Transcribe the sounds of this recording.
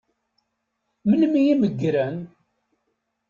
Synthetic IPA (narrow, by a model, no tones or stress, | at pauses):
məlmijiməɡːɾæn